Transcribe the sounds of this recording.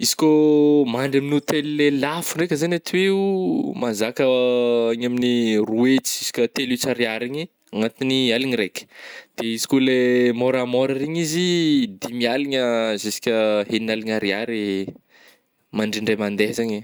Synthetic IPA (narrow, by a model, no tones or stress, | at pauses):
izi̥komaɳɖ͡ʐaminut̪elilelafurekʲəzanat̪ʰiweumazakəaɲaminiruet͡szisi̥kʲət̪elit͡saɾiaɾiɲi | aŋat̪inialiɲiɾekʲə̥d̪̥eizi̥kolemoɾamɔɾaɾiɲizid̪imialiɲəzisi̥kʲəheninaliɲaɾiaɾi | maɳɖ͡ʐiɳɖ͡ʐajmand̪eɦzaɲe